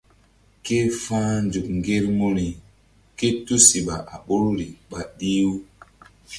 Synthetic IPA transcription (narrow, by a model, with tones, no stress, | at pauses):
ke˦fãː˦nd͡ʒu˨kŋ˨ɡe˦ɾmo˦ɾi˨ | ke˦tu˦si˨ɓa˨ʔa˨ɓo˦ɾɾi˨ɓa˨ɗi˦w